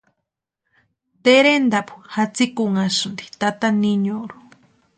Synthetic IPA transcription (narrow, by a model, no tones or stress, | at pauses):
t̪eɾend̪apu̥hat͡sikuŋasund̪i̥t̪at̪aniɲoɾu̥